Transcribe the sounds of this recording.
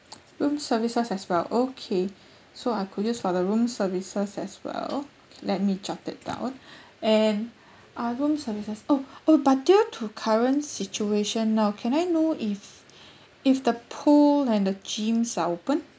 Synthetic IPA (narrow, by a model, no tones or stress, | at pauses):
ɹũmsəvisəsɛswɛlokʰe | soajkʰudd͡ʒasfɔdəɹũmsəvisəsɛswɛ̰lolɛt̚mid͡ʒatɪt̚d̥ã̰ʊ̃n | ɛ̃n | ʔaɹũmsəvisəsoobat̚dutʰukʰaɹə̃ntsit͡ʃueʃə̃nːaʊkʰɛ̃najnoif | ifdəpʰolɛ̃ndəd͡ʒĩmsaopə̃n